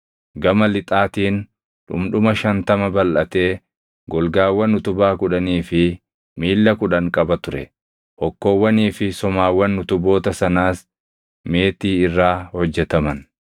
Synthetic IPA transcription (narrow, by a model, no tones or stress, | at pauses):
ɡɐmɐlɪt̪ʼaːt̪iːn | ᶑʊ̰mᶑʊmɐʃɐnt̪ɐmɐbɐlʔɐt̪e̞ː | ɡɔlɡaːwːɐnːʊt̪ʊbaːkʊᶑɐniːfɪ | miːlːɐkʊᶑɐŋkʼɐbɐt̪ʊɾɛ̰ | ʔɔkːo̞ːwːɐniːfɪsɔmaːwːɐnːʊt̪ʊbo̞ːt̪ɐsɐnaːs | me̞ːt̪iːɪrːaːhɔd͡ʒːɛt̪ɐmɐn